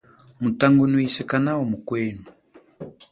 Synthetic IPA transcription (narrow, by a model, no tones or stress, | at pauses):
mutaŋɡunwisɛkanawɔmukwɛnu